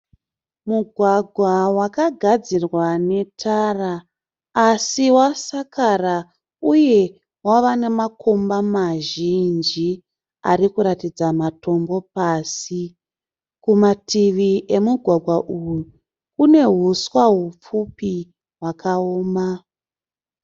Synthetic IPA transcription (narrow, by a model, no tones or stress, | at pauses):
muɡʱwaɡʱwawakaɡʱad͡zirwane̞tʰaraː | siwasakara | uje̞ | waʋane̞makʰo̞mbamaʒind͡ʒi | a̰ɾikuɾatid͡zamato̞mbo̞paːsi | kumatʰiʋiʔe̞muɡʱwaɡʱwaʔujju | kune̞ɦuswaɦup͡fupi | ɦwakʰaoːma